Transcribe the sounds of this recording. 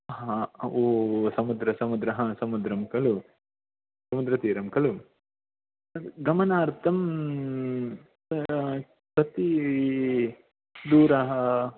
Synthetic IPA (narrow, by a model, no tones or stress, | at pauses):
ɦãoːsɐmud̪ɾɐsɐmud̪ɾɐɦɐsɐmud̪ɾɐmkɐlu | sɐmud̪ɾɐt̪iːɾɐmkɐlu | ɡɐmɐnaːɾt̪ɐm | sɐt̪i | d̪uːɾɐɦɐ